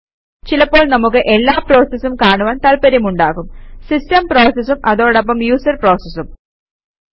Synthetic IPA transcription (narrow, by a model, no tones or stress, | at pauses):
t͡ɕilɐpːo̞ːɭnɐmuk̬ːɨʔe̞lːaːpro̞ːsɐsumkaːɳuʋaːnt̪ɐlpɐɾjɐmuɳɖaːɣumsistɐmpro̞ːsɐsumʔɐðo̞ːɽɐp̬ːɐmjuːsɐrpro̞ːsɐsum